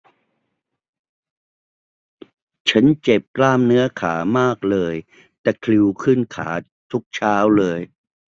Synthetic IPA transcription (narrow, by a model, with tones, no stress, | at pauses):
t͡ɕʰa˦˥nt͡ɕe˨˩p̚klaː˥˩mnɯ˦˥ɐkʰaː˩˦maː˥˩k̚lɤː˧j | t̪ɛː˨˩kʰli˧wkʰɯ˥˩nkʰa̰ː˩˦ | t̪ʰu˦˥k̚t͡ɕʰaː˦˥wlɤː˧j